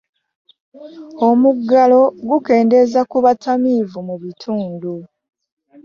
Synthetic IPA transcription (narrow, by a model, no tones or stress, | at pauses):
o̞muɡːalo̞ɡuke̞ːnde̞zakuβatʰamivumuβitʰuːndu